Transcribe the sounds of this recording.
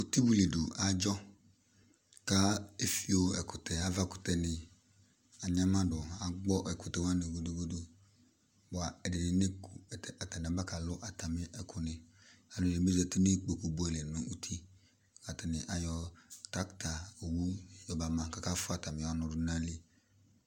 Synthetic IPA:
u˨ti˦bu˨le˨du˨ʔa˨d͡ʒɔ˦ | ka˦e˦fi˦o˦ɛ˨kʊ˨tɛ˨a˦va˦˨kʊ̥˨tɛ˨nɪ̃˨ | a˨ɲ˦a˦mã˦dʊ˨a˨ɡ͡bɔ˦ʔɛ˨kʊ˨tɛ˨wa˦ne˨ɡo˦du˦ɡo˦du˦ | bʊ˨a˨ɛ˨dɪ˨dɪ˨˦ne˦ku˨ɛ˨tɛ˨a˨ta˨nɪ˨a˨ba˦ka˨lʊ˦ʔa˨ta˨mɪ˦ʔɛ˨kʰʊ˨nɪ̃˨ | a˨lʊ˨le˨me˦zɛ˦tɪ˦ne˦k͡pe˨ku˨bu˦ɛ˨lɛ˨nʊ̃˦u˦tʰi˦˨ | ka˨tɪ˨nɪ̃˨ʔa˨jɔ˨ta˦kta˨o˨wu˦jɔ˨ba˨mã˨ka˦ka˦fʊ˦a˨ta˨mɪ̃˨ɔ˨nɔ̃˨dʊ˨nã˦li˦

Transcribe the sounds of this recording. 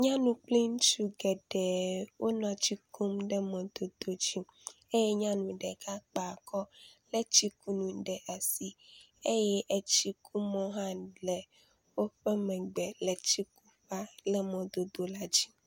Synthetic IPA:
ɲã˦nũ˨k͡pli˦n˦t͡ʃu˦ɡɛ˨ɖɛ˨wʔo˦nɔ̃˨a˨t͡ɕi˦kʰo˦mɖɛ˦mɔ̃˨d̪o˨d̪̥o˨d͡ʑi˦m | e˦jɛ˦ɲã˦nũ˨ɖɛ˨kʰa˦k͡pa˨kʰɔ˦le˦t͡ɕi˦ku˦nũ˨ɖɛ˨ʔɛ˨si˦ | e˦jɛ˦ʔe˨t͡ɕi˦kʰu˦mɔ̃˦ɦã˦lɛ˨ | wo˦ɸe˦mɛ̃˨ɡ͡bɛ˨le˨t͡ɕi˦ku˦ɸa˦lɛ˦mɔ̃˨d̪o˨d̪o˨la˦d͡ʑi˦

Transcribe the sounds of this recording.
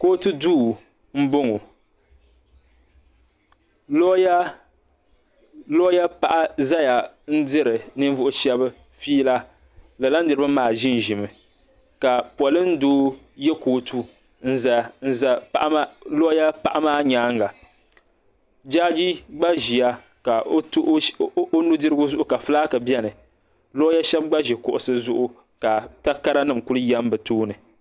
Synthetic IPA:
koː˦tu˦duː˦˨ | m̩˦bʊ˦ŋo˨ | lo˦ja˦ | lɔ˦ja˦pa˨ʔa˦za˦ja˨n̩˦dɨ˦ɾɨ˨nɨ˦ɱ˦vʊ˦ʔʊ˦ʃɛ˦bɨ˦ | fiː˦la˦ | la˨la˦n̩˦dɨ˨ɾɨ˦bɨ˦maː˦˨ʒɪ˦n˨ʒɪ˨mɨ˨ | ka˨pɔ˨lɨ˦n˦doː˦ | jɛ˦koː˨˦tʰu˦ | n̩˦za˨n̩˦˨za˨˦ʔlo˦ja˦pa˦˨ʔa˦maː˦ɲaː˦ŋɡa˨ | d͡ʒaː˦d͡ʒi˦ɡ͡ba˦ʒi˨ja˦ | ka˨˦ʔo˦nu˦dɨ˦ɾɨ˦ɡʊ˦zʊ˦ʔʊ˦ka˨fɨ˦laː˦kɨ˨bjɛ˦nɨ˨ | lo˦ja˦ʃɛ˦b̚ɡ͡ba˦ʒi˨kʊ˨ʔʊ˨sɨ˦zʊ˦ʔʊ˦ | ka˨ta˦ka˦ɾa˦nɨ˦˨mku˦lɨ˦jɛ˦m˦bɨ˨toː˦nɨ˨

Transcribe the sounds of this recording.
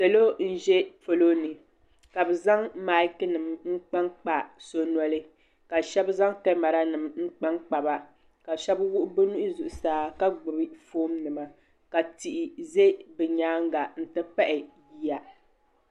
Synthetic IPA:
sɛ˨lo˦n̩˦ʒɛ˦fo˨lo˦nɨ˨ | ka˨bɨ˨za˦ŋma˨˦lkɨ˦nɨ˨mŋ͡m̩˦k͡pa˦ŋk͡pa˨so˦nɔ˦lɨ˦ | ka˨ʃɛ˦bza˦ŋtɛ˦ma˨ɾa˦nɨ˨mŋ͡m̩˦k͡pa˦ŋk͡pa˨ba˦ | ka˨ʃɛ˦bwʊ˦ʔʊ˦bɨ˦nu˦ʔzʊ˨ʔʊ˨saː˦ka˦ɡ͡bʊ˨bɨ˦foː˦mnɨ˨ma˨ | ka˨ti˨ʔɪ˨ze˦bɨ˨ɲaː˦ŋ˦ɡa˨n̩˨tɨ˦pa˦ʔɪ˨ji˦ja˨

